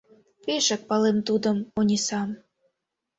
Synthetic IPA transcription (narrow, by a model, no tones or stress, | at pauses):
peʃə̆k̚pɑlemt̪ud̪ɤ̆monʲisɑm